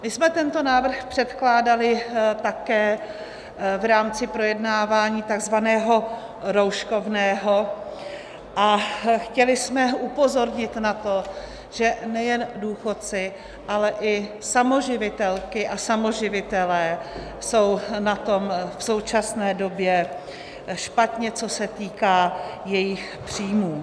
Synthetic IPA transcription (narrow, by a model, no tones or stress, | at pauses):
mɪsmɛt̪ɛnt̪o̞naːvr̩xpr̥ɛt̪klaːdalɪt̪akɛː | vɾaːmt͡sɪpɾo̞jɛdnaːvaːɲiːt̪aɡzvanɛːɦo̞ | ɾowʃkovnɛːɦo | ʔaxcɛlɪsmɛupo̞zo̞ɾɲɪt̪nat̪o | ʒ̥ɛnɛjɛnduːxo̞t̪̚t͡sɪ | ʔalɛʔɪsamoʒɪvɪt̪ɛlkɪʔasamo̞ʒɪvɪt̪ɛlɛː | so̞wnat̪o̞mfso̞wt͡ʃasnɛːdo̞bjɛ | ʃpat̪ɲɛt͡so̞sɛt̪iːkaːjɛjɪx | pr̝̥iːmuː